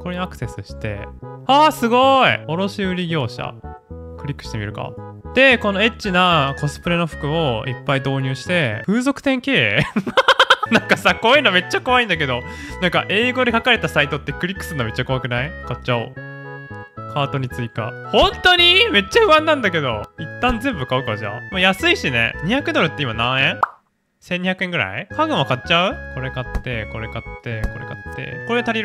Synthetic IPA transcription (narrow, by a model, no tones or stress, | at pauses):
koɾe̞ɲiakse̞sɨɕi̥t̪e̞̰aːsɨɡo̞ioɾo̞ɕiɯ̟ɾʲiɡʲo̞ːɕa̰ | kɯ̟ɾʲikːɯ̟ɕi̥t̪emḭɾɯ̟ka̰d̪̥e̞ko̞no̞e̞t͡ɕːinako̞sɨ̥pɯ̟ɾe̞no̞ɸɯ̟̥kɯ̟o̞ḭpːaid̪o̞ːɲ̟ɨːɕi̥t̪e̞ɸɯ̟ːzo̞kɯ̟t̪ẽ̞ŋke̞ː | nãŋkasako̞ːjiɯːnome̞t͡ɕːako̞aĩnd̪ak̬e̞d̪onãŋka̰ʔe̞ːɡo̞d̪ekakaɾe̞t̪asait̪o̞t̪ːe̞kɯ̟ɾʲikːɯ̥sɨnome̞t͡ɕːako̞βakɯ̟naikat͡ɕao̰ | kʰaːt̪o̞ɲ̟it͡sɨika̰hõ̞nt̪o̞ɲ̟ime̞t͡ɕːaɸɯ̟βãnːãnd̪ak̬e̞d̪o̞̰it̪ːãnzẽ̞mbɯ̟kaɯ̟kaɾaʑa̰majasɨiɕine̞̰ɲ̟içakɯ̟d̪o̞ɾɯ̟t̪ːe̞imanãẽ | sẽɲ̟ːiçjakɯ̟e̞ŋɡɯ̟ɾa̰ikaɡɯ̟̃ɰ̃akatːt͡ɕaɯko̞ɾe̞kat̪ːe̞ko̞ɾe̞kat̪ːe̞ko̞ɾe̞̰kat̪ːḛko̞ɾet̪aɾʲiɾ